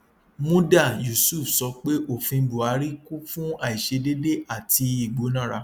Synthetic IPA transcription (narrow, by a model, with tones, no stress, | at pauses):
mũ˦da˦˨ju˨su˦˨fsɔ˧˦k͡pe˦ʔo˦˨fĩ˧˦bu˨a˧˦ɾi˦ku˦fũ˦a˦˨i˨ʃe˧de˦de˦ʔa˦˨ti˧i˦˨ɡ͡bo˨˦nã˦˨ɾa˧˦